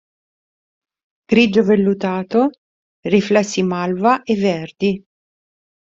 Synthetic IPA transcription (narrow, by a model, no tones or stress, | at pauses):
ɡ̥ɾid͡ʒovelːut̪aːt̪o | riflɛsːimalvaʔevːɛrd̪i